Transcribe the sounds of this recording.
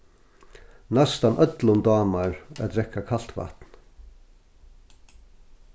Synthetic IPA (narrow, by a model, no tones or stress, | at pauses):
nɛst̪anʔœt̪lʊnd̪ɑːmaɹa̰d̪ɾɛkːakʰal̥t̪va̰t̪n